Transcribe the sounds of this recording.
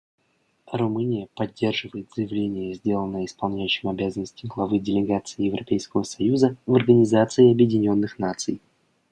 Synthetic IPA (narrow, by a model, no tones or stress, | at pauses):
ɾʊmɨnʲɪjəpɐdʲːe̞rʐɨvəjɪt̪z̥əjɪvlʲenʲɪjəzʲdʲelˠənːəjəɪspɐlˠnʲæjʉɕːɪmɐbʲazənːəsʲtʲɪɡlˠɐvɨdʲɪlʲɪɡat̪sɨɪjɪvɾɐpʲejskəvəsɐjuzəvɐrɡənʲɪzat̪sɨɪɐbjɪdʲɪnʲo̞nːɨxnat̪sɨj